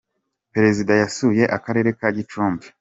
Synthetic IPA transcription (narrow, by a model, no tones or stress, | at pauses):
peɾe̞zidajasuje̞ʔakaɾe̞ːɾe̞kaɟitɾump